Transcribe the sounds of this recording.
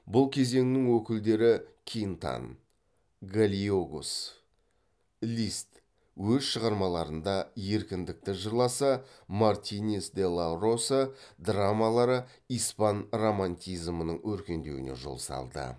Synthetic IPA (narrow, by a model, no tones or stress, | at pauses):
bʊlˠkʲʰe̞ze̞ŋnɪŋwɵkʲɪld̪e̞ɾɪkʲʰijnt̪a̰n | ɡalʲioɡus | lʲist̪ | wɵzʃəʁɑɾmɑlˠɑɾənd̪ɑje̞ɾkʲɪnd̪ɪk̚t̪ɪʒəɾlˠɑsɑ | mart̪ʲinʲesd̪e̞lˠaro̞səd̪ramalˠɑɾə | ijspanro̞manʲt̪ʲijzmənəɴwɵɾkʲe̞nd̪e̞̰ɡɪ̰nḛʒo̞̰lˠsɑ̰lˠd̪ə̰